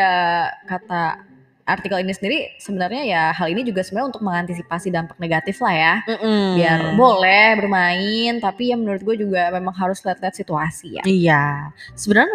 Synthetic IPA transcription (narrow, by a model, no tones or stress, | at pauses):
akat̪a | ʔart̪ikəlinisəndiɾisəbənərɲajaɦalinid͡ʒuɡasəmuaunt̪ʊk̚məŋant̪is̬ipasidampak̚neɡat̪ɪflahjam̩m̩biarbolɛhbərmaɪnt̪apijamənuɾʊt̪̚ɡuad͡ʒuɡamemaŋɦaɾʊsliat̪̚liɦat̪̚sit̪uasija̰ija | səbənarɲ